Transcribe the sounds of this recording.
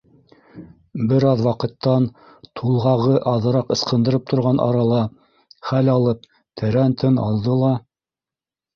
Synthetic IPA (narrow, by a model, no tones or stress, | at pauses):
bɘɾɑðwɑqɤ̆t̪ːɑn | t̪ʰulˠʁɑʁɤʔɑðɤ̆ɾɑqɤ̆sqɤ̆nd̪ɤ̆ɾɤp̚t̪ʰŏɾʁɑnʔɑ̰ɾɑlˠɑ | χælɑlˠɤp̚ | t̪ʰɘ̆ɾænt̪ʰɘnɑ̰lˠd̪ɤlˠɑ